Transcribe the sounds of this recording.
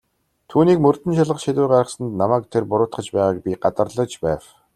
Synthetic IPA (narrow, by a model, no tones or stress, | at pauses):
t̪ʰuːniːkmɵr̥t̪ɘ̆nʃaɮʁə̆χʃit̪uːɢaɾə̆χsə̆nt̪namæːk̚t̪ʰerpʊɾʊːt̪χə̆t͡ɕpæːʁaːk̚pʲiɢat̪ə̆rɮə̆kt͡ɕpæːw